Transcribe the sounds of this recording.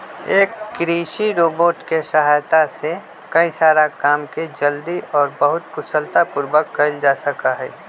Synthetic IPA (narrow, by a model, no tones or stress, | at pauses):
eːkːɾiːʃiɾoːboːʈkeʃɐɦaːjt̪ase | kɐĩsaːɾakaːmked͡ʒəld̪iʔɔːɾbɐɦʊt̪kʊsəlt̪apʊɾwəkːɐld͡ʒaːsɐkaɦɛː